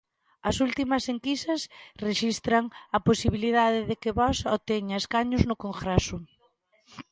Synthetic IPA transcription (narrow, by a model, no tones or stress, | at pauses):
ɐsult̪imɐseŋkisɐsreʃist̪ɾɐŋɐposiβ̞iliðaðɪðɪkɪβɔsot̪eɲɐeskaɲʊznʊkoŋxɾasʊ